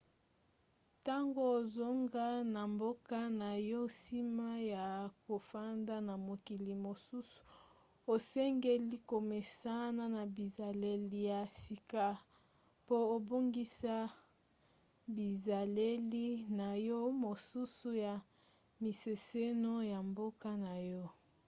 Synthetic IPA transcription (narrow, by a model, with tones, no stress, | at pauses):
ta˦ŋɡo˦o˨zo˦ŋɡa˦na˨mbo˦ka˦na˨jo˦si˦ma˦ja˨ko˨fa˦nda˦na˨mo˨ki˨li˨mo˨su˦su̥˨ | o˨sɛ˦ŋɡe˦li˦ko˨me˨sa˦na˦na˨bi˨za˨le˦˨li˦ja˨si˨ka˦ | po˦o˨bo˦ŋɡi˦sa˦ | bi˨za˨le˦li˦na˨jɔ˦mo˨su˦su˦ja˨ | mi˨se˨se˦no˦ja˨mbo˦ka˦na˨jɔ˦